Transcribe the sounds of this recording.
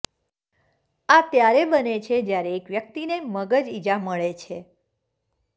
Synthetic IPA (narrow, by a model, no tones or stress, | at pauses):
at̪jaɾebənet͡ʃʰed͡ʒjaɾeːkʋjək̚t̪ineməɡəd͡ʒid͡ʒaməɭet͡ʃʰe